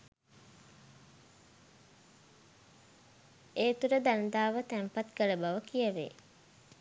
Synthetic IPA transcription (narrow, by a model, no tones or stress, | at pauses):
eːt̪uɾəd̪and̪aːʋət̪æmpat̪kələbaʋəkijəʋḛ